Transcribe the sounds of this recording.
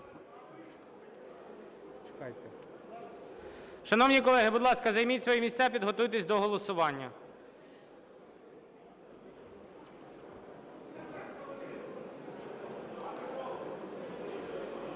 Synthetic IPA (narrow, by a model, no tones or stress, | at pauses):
t͡ʃkɑjt̪ɛ | ʃɐnɔwnʲikɔlˠɛɦɪbʊd̪lˠɑskɐzɐjmʲitʲsʋɔjɛmʲisʲt̪ʲsʲapʲid̪ɦɔt̪ujt̪̬esʲd̪ɔɦɔlˠɔsʊʋɑnʲːɐ